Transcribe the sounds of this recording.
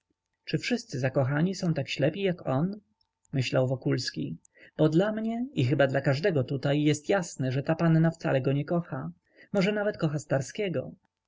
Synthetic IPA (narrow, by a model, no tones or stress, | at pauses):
t͡ʂɘfʂɘst̪sɘzakɔxaɲisɔ̃w̃t̪akɕlɛpʲijakɔn | mɘɕlawvɔkulskʲi | b̥ɔd̪lamɲɛixɘbad̪lakaʐd̪ɛɡɔt̪ut̪ajːɛst̪jasnɛʐɛt̪apanːaft̪salɛɡɔɲɛkɔxa | mɔʐɛnavɛt̪kɔxast̪aɾskʲɛɡɔ